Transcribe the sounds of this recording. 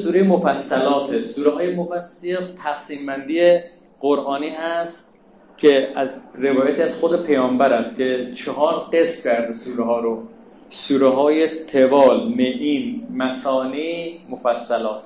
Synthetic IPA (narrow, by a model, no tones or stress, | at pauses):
suːɾejemofæsːælɒːt̪ʰesuːɾeɦɒːjemofæset̪ʰæxsiːmbænd̪ije | ɢoɾʔɒːniːɦæst̪ | cʰeæzrevɒːjæt̪iæzxod̪e̞pʰejɒːmbæɾæst̪kʰe̞t͡ʃʰeɦɒːɾɢe̞scʲʰæɾd̪esuːɾeɦɒːɾo | suːɾeɦɒːjet̪ʰevɒːlmeʔiːnmæsɒːnimofæsːælɒːt̪ʰ